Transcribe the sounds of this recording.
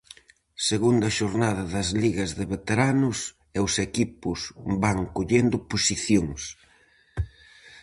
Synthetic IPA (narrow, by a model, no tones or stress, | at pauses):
seɣund̪ɐʃoɾnaðɐðɐzliɣɐzðeβet̪eɾanʊs | ewsekipʊsbaŋkoʎend̪ʊposiθjoŋs